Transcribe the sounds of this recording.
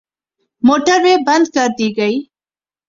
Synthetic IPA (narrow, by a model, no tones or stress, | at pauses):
moʈəɾwebɐnd̪̚kaɾd̪iɡaj